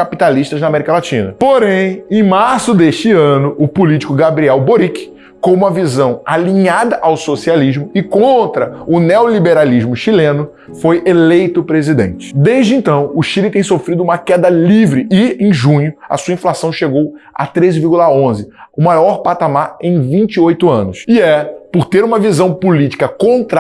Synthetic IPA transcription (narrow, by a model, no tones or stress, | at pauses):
kapit̪aliʃt̪ɐznɐamɛɾikɐlat͡ʃĩnɐ̰poɾẽj̃ẽj̃maɾsʊd̪eʃt͡ʃɪɐ̃nʊʊpulit͡ʃi̥kʊɡabɾiɛwboɾikɪ̥ | kõũmɐvizɐ̃w̃alĩɲad̪ɐʔawsosialiʒmʊɪkõnt̪ɾɐʊneolibeɾaliʒmʊʃilẽnʊ | fojʔelejt̪ʊpɾezid̪ḛ̃nt͡ʃɪ̥d̪ejʒd͡ʒɪẽnt̪ɐ̃w̃ʊʃilɪt̪ẽj̃sofɾid̪ʊũmɐkɛd̪ɐlivɾɪɪẽj̃ʒũɲʊɐ̰suɐĩflasɐ̃w̃ʃeɡowa̰t̪ɾezɪviɾɡulaõzɪʊmajɔɾpat̪amaɾẽj̃vĩnt͡ʃiojt̪ʊɐ̃nʊsɪɛpoɾt̪eɾũmɐvizɐ̃w̃pulit͡ʃi̥kɐkõnt̪ɾ